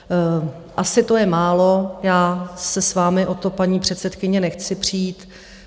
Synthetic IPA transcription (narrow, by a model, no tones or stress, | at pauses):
ʔasɪt̪o̞jɛmaːlo̞jaːsɛsvaːmɪʔo̞t̪o̞paɲiːpr̝̥ɛt̪sɛt̪kɪɲɛnɛxt͡sɪpr̝̥iːt̪